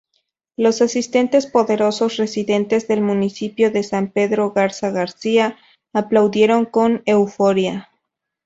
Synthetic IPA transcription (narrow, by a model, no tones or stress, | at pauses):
lo̞sasist̪e̞nt̪e̞spo̞ðe̞ɾo̞so̞sre̞siðe̞nt̪e̞zðe̞lmũnisipjo̞ðe̞sampe̞ðɾo̞ɣaɾsaɣaɾsiaː | plawðje̞ɾo̞ŋko̞ne̞wfo̞ɾja